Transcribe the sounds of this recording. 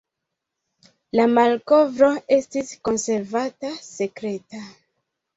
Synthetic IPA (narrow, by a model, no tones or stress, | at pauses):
lamalko̞vɾo̞e̞stisko̞nse̞ɾvatase̞kɾe̞ta